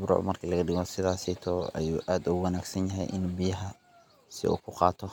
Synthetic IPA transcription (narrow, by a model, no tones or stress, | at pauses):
bɾʊ̰ʕmɐrkʰiːlɐɣɐɖɪɣɔsɪðaːsɛt̪ʰɔːɐ̰juːʔaːd̪ʊɣwɑnaːɡsɐnjɐɦɛ̰jʔɪnbɪjɐɦɐ | sɪ̰ʔṵːkʰʊqɑːt̪ʰɔ